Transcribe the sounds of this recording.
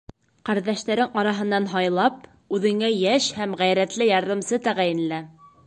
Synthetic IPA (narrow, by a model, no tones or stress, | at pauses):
qæɾðæʃt̪æɾɘŋɑɾɑɦɤ̆nːɑnɦɑjlˠɑp̚ | ʉðɘ̆ŋæjæʃhæmʁæjɾæt̪lɘjɑɾðɤ̆msɤt̪æʁæjɘ̆nlæ